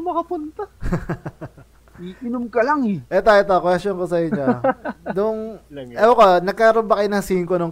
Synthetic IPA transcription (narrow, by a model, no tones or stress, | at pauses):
mɐkɐpʊnt̪a | iʔɪnʊmkɐlaŋɛʔɛt̪aːjot̪okwɛst̪onkosɐjiɲod̪ʊŋɛokonɐɡ̚kaɾombɐkɐjnɐŋsiːŋkonʊŋ